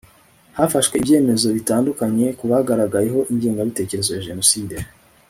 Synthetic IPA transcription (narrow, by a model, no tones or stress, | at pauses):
hafaʃwe̞ivje̞ːme̞zo̞βitaːndukaɲe̞kuβahaɡaɾaɡaje̞ɦo̞ʔiɲɟiːŋɡaβite̞ːce̞ɾe̞zo̞jaʒe̞no̞siːde